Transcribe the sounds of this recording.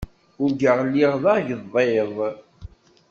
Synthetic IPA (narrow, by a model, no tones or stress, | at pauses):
ʊɾɡəʁlːiʁðˤɑʝəðˤeðˤ